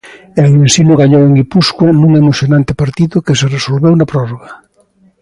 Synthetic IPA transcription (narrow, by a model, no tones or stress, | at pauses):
elensinʊɣaɲoweŋipuskwanuŋemoθjonãnt̪ɪpaɾt̪iðʊkeseresolβewnapɾɔroɣa